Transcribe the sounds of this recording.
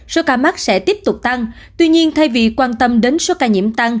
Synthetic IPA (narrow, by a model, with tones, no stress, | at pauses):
so˨˦kaː˧ma˦˥t̚sɛ̰˧˥t̪i˦˥əp̚t̪ʊ˨˩k͡p̚t̪a˧ŋ | t̪wi˧ɲi˧ənt̪ʰa˧jvḭ˨˩kwaː˧nt̪ə˧mɗe˨˦nso˨˦kaː˧ɲḭ˧˩əmt̪a˧ŋ